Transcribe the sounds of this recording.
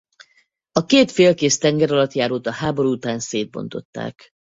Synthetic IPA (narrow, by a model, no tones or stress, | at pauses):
ɒkeːt̪feːlkeːst̪ɛŋɡɛɾɒlɒt̪jaːɾoːt̪ɒhaːbo̞ɾuut̪aːnseːd̪̚bo̞̰nt̪o̞̰t̪ːa̰ːk